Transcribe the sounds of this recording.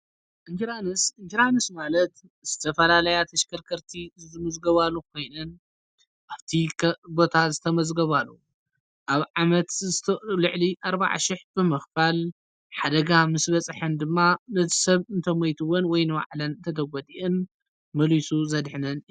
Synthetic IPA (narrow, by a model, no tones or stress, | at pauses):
ʔɨnd͡ʒiɾanɨsɨnd͡ʒiɾanɨsmalɐt̪ | z̥ɨt̪ʰɐfɐlalɐjat̪ʰɐʃkʰɐɾkʰɐɾt̪ʰizzɨmɨzɡɐβalːukʰo̞jnɨn | ʔaβt̪ʰikbo̞t̪ʰazɨt̪ʰɐmɐzɡɐβalːṵ | ʔaβʕamɐt̪zɨt̪ʰlɨʕliʔaɾba̰ʕa̰ʃɪħb̥ɨmɨxfal | ħad̪ɐɡamɨsbɐt͡sʼħɨnd̪ɨmːanɐt̪ʰi̥sɐβɨnt̪ʰɐmɐjt̪ʰɨwɔnwɔjnɨβa̰ʕlɐnɨnt̪ʰɐt̪ʰɐɡɔd̪ʼiʔɨn | mɐlisuzɐd̪ħnɐn